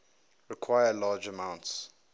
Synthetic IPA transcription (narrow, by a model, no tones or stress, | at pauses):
ɹɪkʰwajəlaːd͡ʒəmãʊ̃nts